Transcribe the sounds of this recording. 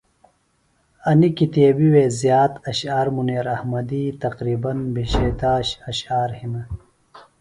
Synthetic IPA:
ɐnikit̪eːbiweːzjaːt̪ɐɕaːɾmuneːɾɐhmɐd̪it̪ɐqɾiːbɐnbiɕeːt̪aːɕɐɕaːɾhinɐ

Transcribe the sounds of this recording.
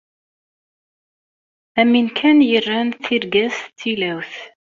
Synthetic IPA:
æminkʰænjərːænθiɾɡæst͡sːilæwθ

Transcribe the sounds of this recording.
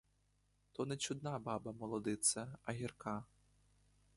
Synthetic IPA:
t̪ɔnɛt͡ʃud̪nabɑbɐmɔlˠɔd̪ɪt̪sɐɐɦʲirka

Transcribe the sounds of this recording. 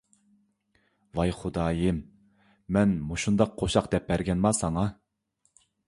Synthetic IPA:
vɑjχud̪ɑːjɨm | mɛnmuʃund̪ɑq̚ʰːoʃɑqd̪ɛp̚bæɾɡʲɛnmɑsɑŋɑ

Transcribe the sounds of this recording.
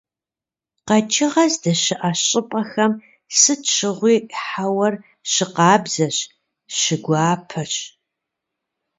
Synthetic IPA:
qɐt͡ʃʰʼɪʁɐzdɐɕɪʔaɕʼɪpʼɐxɐm | sɨtt͡ʃʰɨʁʷiːħawɐr | ɕɪqɑːbzɐɕ | ɕɪɡʷɑːpʰɐɕ

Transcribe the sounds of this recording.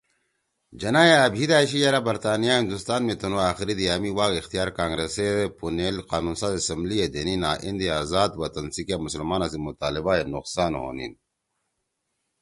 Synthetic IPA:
d͡ʑɐnaːjeːbʱid̪aːɕijɐɾabɐɾt̪aːnijaɦĩnd̪ust̪aːnmet̪unuaːxiɾid̪iaːmiwaːkixt̪ijaːɾkaːŋɡɾeseepunelqaːnuːnsaːzesɐmblijed̪eninaːʔind̪iaːzaːd̪wɐt̪ɐnsikjamusəlmaːnas̬imut̪aːlibaenuqsaːnɦo̰ːnḭn

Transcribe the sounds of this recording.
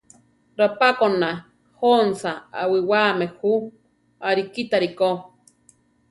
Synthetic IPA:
ɾapakona | honsaa̰wiwamehu | aɾikit̪aɾiko

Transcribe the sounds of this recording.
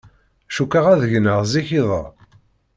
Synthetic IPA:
æʃukːaʁæðəʝnəʁziçiðˤə̰

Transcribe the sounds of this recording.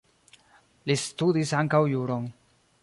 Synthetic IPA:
listudisaŋkawjuɾo̞n

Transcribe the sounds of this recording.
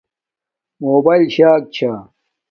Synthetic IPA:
moːbaːilɕaːk̚t͡ɕʰa

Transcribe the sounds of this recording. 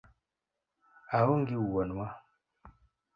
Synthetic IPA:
awoŋɡiwuwɔnwa

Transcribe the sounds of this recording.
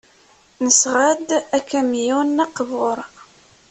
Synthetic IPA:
nəsʁad̪ækːæmjunːæqvʊɾˤ

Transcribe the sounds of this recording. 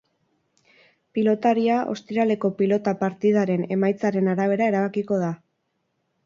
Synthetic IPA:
pilo̞t̪aɾiaʔo̞̰st̪iɾale̞ko̞pilo̞t̪apaɾt̪ið̞aɾe̞ne̞majt͡saɾe̞naɾaβ̞e̞ɾae̞ɾaβ̞akiko̞ða

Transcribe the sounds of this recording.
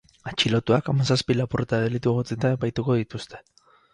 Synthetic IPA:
at͡ʃilo̞t̪uakamasaspilapuɾt̪aðelit̪uɣot͡set̪ae̞pajt̪uko̞ðit̪ust̪e̞

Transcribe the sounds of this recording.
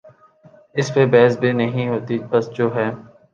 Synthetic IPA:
ɪspebɛːɦsbʱinɐɦĩɦoːt̪ibɐsd͡ʒoːɦɛː

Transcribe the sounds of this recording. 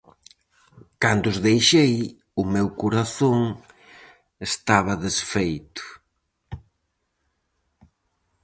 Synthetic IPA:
kand̪ʊzðejʃej | ʊmewkuɾaθoŋ | est̪aβ̞ɐðesfejt̪ʊ̥

